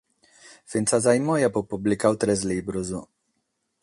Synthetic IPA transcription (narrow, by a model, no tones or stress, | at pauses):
finsazajmɔjapopublikawt̪ɾɛzlibɾuzu